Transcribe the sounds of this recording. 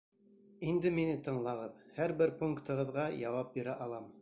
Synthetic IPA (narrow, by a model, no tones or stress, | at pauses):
ind̪ɘminɘt̪ɤ̆ɴlˠɑʁɤðhæɾbɘɾpuŋkt̪ɤ̆ʁɤ̆ðʁɑjɑwɑp̚biɾæʔɑlˠɑm